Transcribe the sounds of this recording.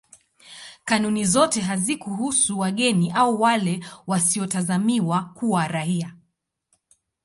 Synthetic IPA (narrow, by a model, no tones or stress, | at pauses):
kanunizɔtɛɦazikuɦusuwaɠɛniʔauwalɛwasiɔtazamiwakuwaɾahia